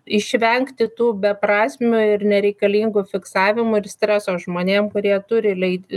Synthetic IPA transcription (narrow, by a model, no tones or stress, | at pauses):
ɪʃʲʋʲɛŋkt̪ʲɪt̪uːbʲɛpɾɑːsʲmʲʊɪrnʲɛɾʲɛɪkɐlʲiːŋɡʊfʲɪksɑːʋʲɪmʊɪɾsʲt̪ʲɾʲæsoːʒmoːnʲeːmkʊɾʲiɛt̪ʊɾʲɪlʲɛɪ